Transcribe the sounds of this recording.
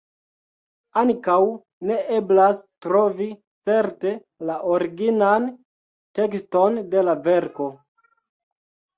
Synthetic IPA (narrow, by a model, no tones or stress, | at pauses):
aŋkaw | ne̞ʔe̞blastɾo̞vi | t͡se̞ɾte̞ | laʔoɾiɡinan | te̞ksto̞nde̞lave̞ɾko̞